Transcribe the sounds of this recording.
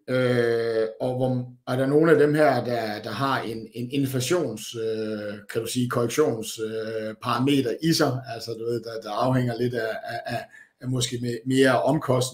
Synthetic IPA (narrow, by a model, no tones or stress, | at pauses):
ø | ɒ̽ʋɒæɐɾɑno̝ːn̩æd̥emhæɐ̰d̥ɑ̈d̥ɑ̈ɦɑ̈e̝ne̝ne̝nflæɕo̝̰ːnsøkʰæd̥usiːkʰɒʁɛɡ̥ɕo̝̰ːnsøpʰɑ̈ʁɑ̈me̝̰ːd̥ɐʔisɑ̈ɪælsɒn̥ɔ̽e̝ð̩ˠd̥ɑd̥ɑɑ̈ʊheŋ̰ɐle̝d̥æː | mɒ̽sɡ̥e̝̰me̝ːɐɒ̽mkʰɒsd̥n